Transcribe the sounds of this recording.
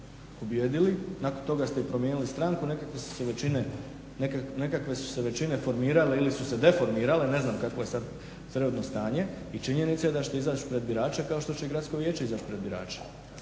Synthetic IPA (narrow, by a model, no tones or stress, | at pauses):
pobjeːd̪ilinako̞nt̪o̞ɡast̪e̞ipɾo̞mje̞ːnilist̪ɾaŋkunekakʋesu̥seʋeine | nekane̞kakʋesu̥se̞ʋe̞t͡ʃinefo̞ɾmiːɾaleilisuse̞d̪e̞fo̞ɾmiːɾale̞ne̞znaːmkakʋo̞je̞sad̪ | t̪ɾeod̪no̞st̪aːɲe̞ | it͡ʃiɲe̞nit̪saed̪at͡ɕt̪eizaːt͡ʃpɾe̞d̪̚biɾaːt͡ʃekao̞ʃt̪o̞t͡ɕe̞iɡɾat̪skoʋje̞ːt͡ʃeizaːt͡ʃpɾe̞d̪biɾa̰ːt͡ʃe̥